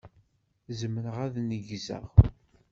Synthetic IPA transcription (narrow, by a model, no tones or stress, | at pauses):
zəmənəʁæðnəʝzə̰ʁ